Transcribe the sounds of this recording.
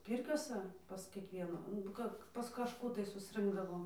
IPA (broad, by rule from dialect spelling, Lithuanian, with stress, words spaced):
ˈpʲiːrʲkʲoːsɐ pɐs kʲiɛkˈʋʲiɛnʊ nʊ ˈkɐ pɐs kɐʃˈkuː tɐɪ sʊsˈrɨŋɡdɐʋoːm